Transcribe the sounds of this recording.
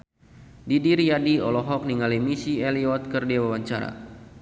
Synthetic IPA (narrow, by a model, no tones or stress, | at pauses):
didiɾiadiɔlɔɦɔk̚niŋalimisiɛliɔt̪̚kərdiawawaɲt͡ʃaɾa̰